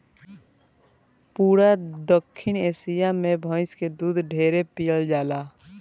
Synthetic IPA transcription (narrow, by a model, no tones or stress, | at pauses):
puːɾad̪əkʰːɪneːsijamẽbʱə̃ɪ̃sked̪uːd̪ʱɖʱeːɾepijəld͡ʒaːlaː